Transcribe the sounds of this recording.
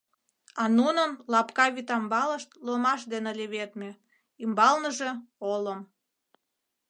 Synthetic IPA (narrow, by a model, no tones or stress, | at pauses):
ɑnunənlɑpkɑβit̪ɑmbɑləʃt̪lomɑʃd̪enelʲeβet̪me | imbɑlnəʒeoləm